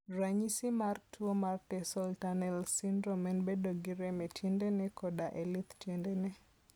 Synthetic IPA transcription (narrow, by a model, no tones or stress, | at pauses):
raɲisimartʰuomartɛsɔltanɛlsindɾomɛnbedoɡiɾɛmɛtjɛndɛnɛkɔdaʔɛlit̪tjɛndɛnɛ